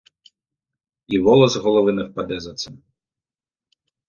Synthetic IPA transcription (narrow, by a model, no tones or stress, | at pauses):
iʋɔlˠɔzɦɔlˠɔʋɪnɛwpɐd̪ɛzɐt̪sɛm